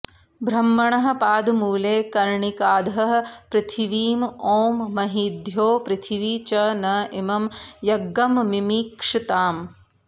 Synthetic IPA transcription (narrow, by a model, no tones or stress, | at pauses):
bʱɾɐmːɐɳɐɦɐ̆paːd̪muːleːkɐɾɳikaːd̪ɐɦɐɦɐ̆pɾɪt̪ʰiʋiːmoːmːɐɦid̪ʱjoːpɾɪt̪ʰiʋiːt͡ʃɐnɐimɐmjɐɡːɐmʋimiːkʂit̪aːm